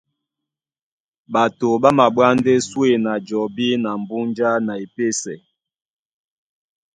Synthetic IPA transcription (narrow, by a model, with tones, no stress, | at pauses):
ɓa˨to˨ɓa˦ma˨ɓwa˦n˦de˦swe˨na˨d͡ʒɔ˨bi˦na˨m̩˨bu˦nd͡ʒa˦na˨i˨pe˦sɛ˨